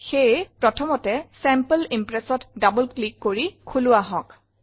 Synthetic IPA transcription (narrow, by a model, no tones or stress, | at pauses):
xejpɹɔtʰɔmɔtɛsɛmpəlimpɹɛsɔtdabɔlklikːoɹikʰulʊaɦɔk